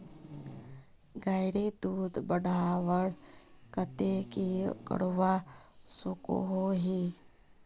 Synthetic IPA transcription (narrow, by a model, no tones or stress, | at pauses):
ɡaːjɽid̪uːd̪bəɽ̤ʱaːʋəɽkət̪ekikə̰ɽʋasuko̰ɦoɦi